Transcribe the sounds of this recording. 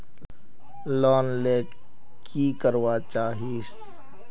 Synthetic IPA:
lɔːnleː | kʰikəɾwat͡ʃaːɦiːs

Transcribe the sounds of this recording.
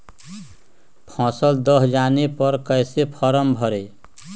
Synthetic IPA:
pʰɔ̃səld̪ʌɦd͡ʒanepʌɾkʌjsepʰʌɾəmbʱʌɾe

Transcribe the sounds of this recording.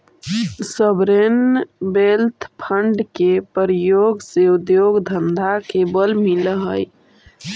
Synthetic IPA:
səbɾenbelt̪ʰpʰəɳɖkepəɾijoɡseud̪joɡd̪ʱənd̪ʱakebəlmiləɦəj

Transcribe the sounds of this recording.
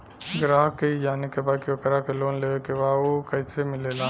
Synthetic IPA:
ɡɾaːɦkeid͡ʒaːnekebaːkiokɾakeloːnleːʋekebaːokɐɪsemɪlelaː

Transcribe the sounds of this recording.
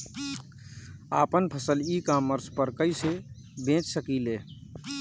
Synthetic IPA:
a̰pənpʰəsəlikamːəɾspəɾkəɪse | bẽt͡ʃsəkile

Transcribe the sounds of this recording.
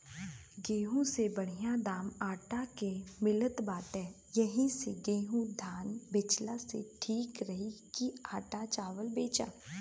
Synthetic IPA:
ɡeːɦũsebɐɽ̤ijad̪aːmaːʈakemɪlət̪baːt̪ɦɛ̃ː | jɐɦĩseɡeːɦũd̪ʱaːnbɪt͡ʃlasḛʈʰiːkɾɐɦikiaːʈat͡ʃaːʋəlbeːt͡ʃa̰ː

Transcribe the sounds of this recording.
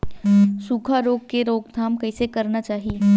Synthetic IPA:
suːkʰaɾoːɡ̚keɾoːɡd̪ʱaːmkɐisekɐɾnat͡ʃaːɦie

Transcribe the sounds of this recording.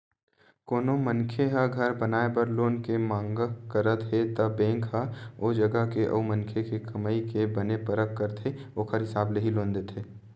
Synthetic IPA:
koːnomənkʰeɦɐɡʱɐɾbɐnaːebɐɾloːnkemãːŋɡəkəɾət̪ɦet̪ɐbɛ̃ːŋkɦəoːd͡ʒɐɡəkeʔɐ̰ːmə̃nkʰekekɐməːikebɐnepɐɾəkːəɾt̪ʰeoːkʰəɾɦɪsaːbleɦilõːnd̪et̪ʰeː

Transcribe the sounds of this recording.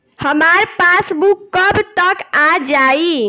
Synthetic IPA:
həmaɾpasbukːəbt̪əkad͡ʒai

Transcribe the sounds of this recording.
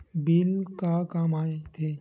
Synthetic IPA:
bɪlkakaːmaːet̪ʰe

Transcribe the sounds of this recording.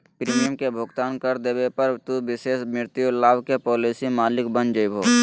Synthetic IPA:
pɾiːmijəmkebʱʊɡt̪aːnkɐɾd̪eːʋepəɾt̪uʋɪseːʃmɪɾt̪julaːbkepɔːliːsimaːlɪkbənd͡ʒəibʱoː

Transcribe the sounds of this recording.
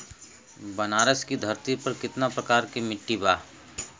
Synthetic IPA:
bɐnaːɾəskid̪ʱɐɾt̪ipɐɾkɪt̪napɾɐkaːɾkimɪʈːibaː

